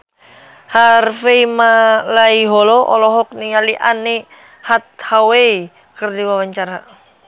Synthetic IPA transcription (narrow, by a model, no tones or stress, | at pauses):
harfeimalaiɦɔlɔʔɔ̰lɔɦɔk̚niŋaliʔani | hat̪̚hawei | kərdiwawaɲt͡ʃaɾa